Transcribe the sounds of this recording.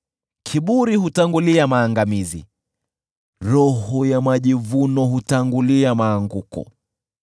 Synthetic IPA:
kʰiɓuɾihutaŋɡuliamaːŋɡamizḭ | ɾɔhɔjamaʄivunɔhutaŋɡuliamaːŋɡukɔ̰

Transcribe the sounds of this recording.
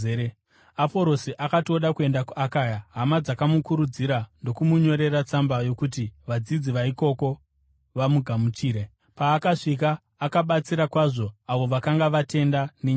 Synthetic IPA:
apo̞ɾo̞siʔakatioɗakue̞ndakuʔakaːjaɦamad͡zakamukuɾud͡ziɾando̞kumuɲo̞ɾe̞rat͡sambajo̞kutiʋad͡zid͡ziʋaiko̞ko̞ | ʋamuɡʱamut͡ʃiːɾe | paːkaʂik̬aː | kaɓat͡siɾakwaʐo̞aʋo̞ʋakaŋɡaʋate̞ndaneɲ

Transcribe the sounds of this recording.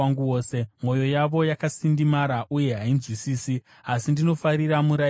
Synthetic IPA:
aŋɡuwoːse̞mo̞jo̞jaʋo̞jakasindimaɾaʔuje̞ɦainzwisiːsi | asindino̞faɾiramuɾa

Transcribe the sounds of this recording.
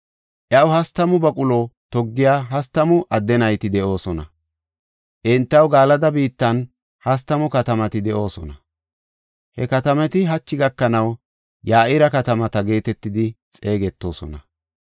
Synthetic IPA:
ʔjɐwʊhɐst̪ɐmʊbɐkʼʊlot̪ɔɡːɪjaːɦɐst̪ɐmʊʔɐd̪ːɛnɐjt̪ɪd̪ɛʔo̞ːsɔnɐ | ʔɪnt̪ːɐwɡaːlɐd̪ɐbiːt̪ːɐn | hɐs̬t̪ːɐmʊkɐt̪ɐmɐt̪ɪd̪ɛʔo̞ːsɔnɐ | hɛkɐt̪ɐmɛt̪ɪɦɐt͡ʃːɪɡɐkːɐnɐw | jaːʔɪɾɐkɐt̪ɐmɐt̪ɐɡe̞ːt̪ɛt̪ːɪd̪ɪ | t͡sʼe̞ːɡɛt̪ːo̞ːsɔ̰nɐ

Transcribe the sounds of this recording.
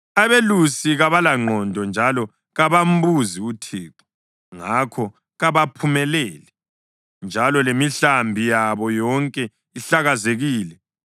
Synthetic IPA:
aβelusiɣaβalaŋ͡ǃʱɔndʱɔnd͡ʒʱalɔ | ɣaβam̩buziutʰiːǃɔ̥ | ŋakʰɔ | ɣaβapʰumɛlɛːlɛ | nd͡ʒʱalɔlemiɬambʱijaβɔjɔŋkʼɛ | iɬaɣazeɣiːlɛ

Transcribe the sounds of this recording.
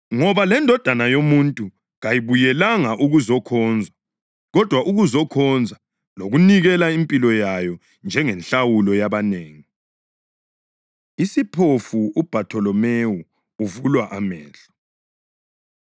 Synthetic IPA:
ŋɔβalɛndʱɔd̥ʱanajomuntʼu | ŋɣajiβujɛlaŋaʔuɣuzɔkʰɔnd͡zʱa | ɣɔd̥ʱwaʔuɣuzɔkʰɔnd͡zʱa | loɣuniɣɛlaimpʼilɔjajɔ | nd͡ʒʱɛŋɛnɬawulɔjaβaneːŋi | isipʰofuub̥ʱatʰɔlɔmewu | uvulwaʔamɛ̰ːɬɔ̥

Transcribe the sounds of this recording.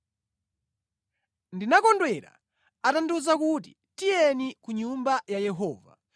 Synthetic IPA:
ndinakɔndwɛɾa̰ | atanduzakuti̥ | tijɛnikuɲumbajajɛɦɔːva̰

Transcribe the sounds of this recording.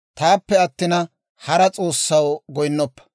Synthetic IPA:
t̪aːpːɛɐt̪ːɪnɐ | hɐɾɐt͡sʼoːsːɐwɡɔjnːɔpːɐ̥

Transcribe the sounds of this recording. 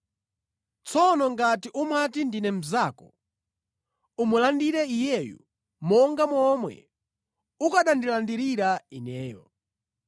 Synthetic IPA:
t͡sʰɔnɔŋɡatiʔumatindinɛm̩zakɔ | umulandiɾɛijɛjṵ | mɔŋɡamɔmwɛ̰ | ukaɗandilandiɾiɾainɛːjɔ̰

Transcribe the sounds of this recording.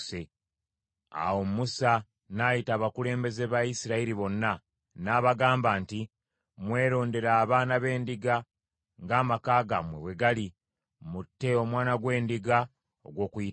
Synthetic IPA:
se | a̰wo̞mmusa | naːjitaːβakule̞ːmbe̞zeβaisiɾaiɾiβo̞nːa | naːβaɡaːmbaːnti | mwe̞ːɾo̞ːnde̞ɾaːβaːnaβe̞ːndiɡa | ŋɡaːmakaːɡa̰mwḛβwe̞ɡali | mutːe̞o̞mwaːnaɡwe̞ːndiɡa | o̰ɡwo̞ːkui

